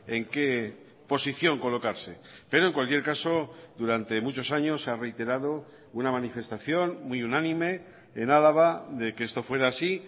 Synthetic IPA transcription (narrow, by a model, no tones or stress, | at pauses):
e̞ŋke̞ | po̞siθjo̞ŋko̞lo̞kaɾse̞pe̞ɾo̞e̞ŋkwalkjeɾkaso̞d̪uɾant̪e̞mut͡ʃo̞saɲo̞sare̞jt̪e̞ɾað̞o̞ | unamãnife̞st̪aθjo̞nmwiunãnĩme̞ː | nalaβ̞aðe̞keest̪o̞fwe̞ɾaːsi